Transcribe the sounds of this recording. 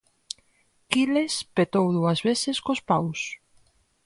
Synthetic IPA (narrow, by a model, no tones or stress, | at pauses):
kilespet̪owðuɐzβesɪskospaws